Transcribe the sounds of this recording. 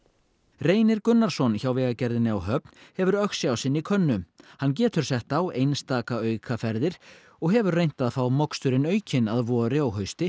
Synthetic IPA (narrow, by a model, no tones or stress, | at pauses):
reːjnɪɾkʏnːaɾ̥sɔnçawvɛːɣacɛɾðɪnɪawɦœp̚nhɛvʏɾœxsjawsɪnːikʰœnːʏmhanːc̬ɛːt̪ʏɾ̥sɛht̪awejnst̪aːkaœːɥkʰafɛɾðɪɾ̥ | ɔɣɦɛvʏɾrejn̥t̪aðfɾawmɔkst̪ʏɾɪnœɥcʰɪnaðvɔːɾɪawɦœɥst̪ɪ